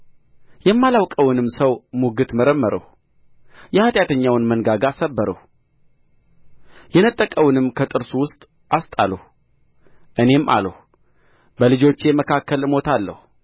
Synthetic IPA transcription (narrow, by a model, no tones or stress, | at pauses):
jɛmːalawkʼəwɨnɨmsəwmuɡɨt̪məɾəmːəɾə̰h | jɛhat̪ʼjat̪ʰəɲːawnmənɡaɡasəbːəɾə̰h | jɛnət̪ʼːəkʼəwnɨmkʰət̪ʼɨɾsuwʊst̪ʼ | ʔast̪ʼaləh | ʔɨne̞mʔa̰ləh | bəlɨd͡ʒo̞t͡ʃːɛməkʰakːəlɨmo̞t̪ʰalːə̰hu